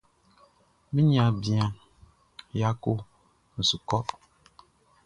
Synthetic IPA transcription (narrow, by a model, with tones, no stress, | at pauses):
mĩ˦ɲ˦ã˨bi˨ã˨ | ja˦ko˦ | n̩˨su˨kɔ˦